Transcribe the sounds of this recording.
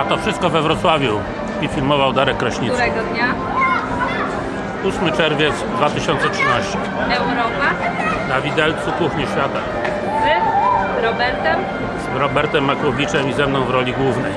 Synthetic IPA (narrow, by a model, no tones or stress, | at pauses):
at̪ɔfʂɘst̪̚kɔvɛvɾɔt̪swavʲju | ifʲilmɔvawd̪aɾɛkːɾɔɕɲit̪ɾɛɡɔd̪ɲa | usmɘt͡ʂɛɾvʲjɛt̪sd̪vat̪ɘɕɔntsɛtʂɘnaɕt͡ɕɛ | ɛwɾɔpanavʲid̪ɛlt̪sukuxɲɛɕfʲjat̪a | a | zɘzɾɔbɛɾt̪ɛm | zɾɔbɛɾt̪ɛmːakɾɔbʲit͡ʂɛmizɛmnɔ̃w̃vɾɔlʲiɡwuvnɛj